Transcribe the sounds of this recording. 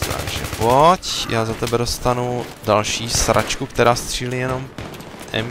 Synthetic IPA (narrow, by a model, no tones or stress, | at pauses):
t̪ʰa̰ɡʒɛ̰pocjaːzat̪ɛbɛdost̪anudalʃiːsɾʔa̰t͡ʃkukt̪ɛɾaːst̪r̝̥iːlijɛno̞m | ʔɛ̰m